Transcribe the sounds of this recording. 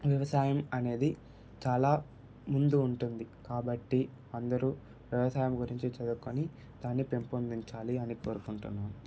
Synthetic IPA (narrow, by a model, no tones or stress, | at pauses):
ʋjɐʋɐsaːjɐmɐne̞ːd̪i | t͡ʃaːlaː | mund̪uːɳʈund̪ikaːbɐʈːi | ɐnd̪ɐɾu | ʋjɐʋɐsaːjɐmɡuɾiɲt͡ʃit͡ʃɐd̪ukːoni | d̪̥aːnːipe̞mpund̪iɲt͡ʃaːliɐniko̞ːɾukuɳʈunːu